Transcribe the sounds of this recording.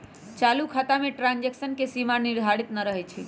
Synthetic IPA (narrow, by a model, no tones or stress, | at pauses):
t͡ʃalukʰat̪ameʈɾãnd͡ʒeksənkesimaniɾd̪ʱaɽit̪nəɾəɦɛt͡ʃʰi